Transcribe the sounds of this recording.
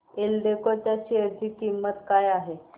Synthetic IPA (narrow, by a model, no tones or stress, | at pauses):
elɖekot̪jaɕiəɾd̪ʱikimːət̪kajaɦe